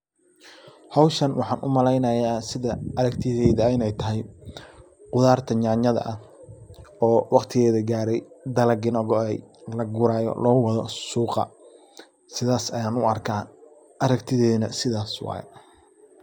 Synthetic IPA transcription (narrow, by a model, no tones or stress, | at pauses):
hɑwʃɐnwɑħɑːnʔʊmɐlɛjnɐjaːsɪðɐɐɾɐɡt̪ʰɪðɛjðɐɪnɛjt̪ʰɐɦɛj | qʊðaːrt̪ʰɐɲaːɲɐðɐ̰ʔɐh | ɔːwɑqt̪ʰɪɣɛːðɐɡaːɾɛjd̪ɐlɐɡɪnɔɣɔɛjlɐɡʊɾaːjɔ̰lɔːɣʊwɑðɔsuːqɑ̰ | sɪðaːsɐjaːnʊɐrkʰaː | ʔɐɾɐɡt̪ʰɪðɛːnɐsɪðaːswɑ̰ːj̰